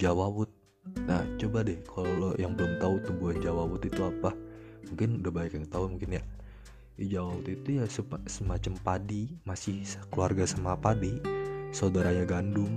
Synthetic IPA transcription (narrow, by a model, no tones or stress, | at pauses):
d͡ʒawawʊt̪̚ | naht͡ʃobadɛhkʰalojaŋpəʊnt̪aut̪umbuand͡ʒawawʊt̪it̪uapa | muŋkɪndabaikjaŋt̪aumuŋkɪnja | id͡ʒawawut̪it̪ujasəsəmat͡ʃampadimasɪhsəkluarɡasamapadisaudaɾaɲaɡandʊŋ